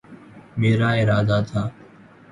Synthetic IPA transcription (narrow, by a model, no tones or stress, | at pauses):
meːɾaːɪɾaːd̪aːt̪ʰaː